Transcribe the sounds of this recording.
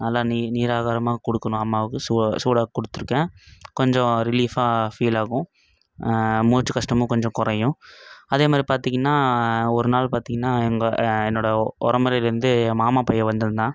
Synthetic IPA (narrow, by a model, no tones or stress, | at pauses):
nɐlːaːniniːɾaːɣaːɾɐmaːɣɐkɔɽɯkːɐɳʊ̃ɐmːaːʋɯkːɯsuːsuːɽaːkːɔɽɯt̪ːɯɾɯkːẽːkɔɲd͡ʒɔ̃ɾɪliːfaːfiːlaːɣʊ̃ | muːt͡ʃːɯkɐʂʈɐmʊ̃kɔɲd͡ʒɔ̃kɔɾɐjʊ̃ɐðeːmaːd̪ɾipaːɾt̪iŋɡɐnːaːɔɾɯnaːɭpaːɾt̪iːŋɡɐnːaːɛŋɡɐɛnːoːɽɐɔɾɐmɐɾɐɪlɪɾɯnd̪ɯmaːmaːpɐjːɐʋɐnd̪ɐðɯnd̪ãː